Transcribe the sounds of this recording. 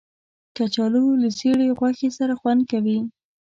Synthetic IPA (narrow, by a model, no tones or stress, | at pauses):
kat͡ʃɑloləseɽeɣwaxesaɾaxwand̪̚kawi